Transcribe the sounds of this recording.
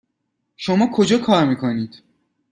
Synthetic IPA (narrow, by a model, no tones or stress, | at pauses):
ʃomɒːkʰod͡ʒɒːkʰɒːɾmiːkʰoniːd̪̥